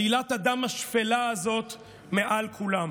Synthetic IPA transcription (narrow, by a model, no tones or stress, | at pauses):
ilat̪ad̪amaʃfelaːzo̞t̪ | meʔalkʰulam